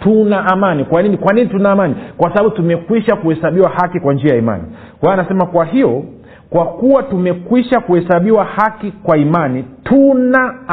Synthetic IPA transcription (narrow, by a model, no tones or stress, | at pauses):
tunaʔːmanikwaninikwaninitunaːmanikwasaɓaɓutumɛkwiʃakuhɛsaɓiwahakikwand͡ʒiajaima̰nḭ | kwaanasɛmakwaɦijɔ | kwakuwatumɛkwiʃakuhɛsaɓiwahakikwaimanitʰuna